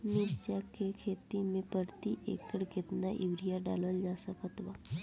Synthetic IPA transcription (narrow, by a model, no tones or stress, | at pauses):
niɾt͡ʃakʰekʰet̪imẽpəɾt̪iʔḛkəɽkɪt̪naʔiʋɾijaɖa̰ləld͡ʒasəkət̪ʋa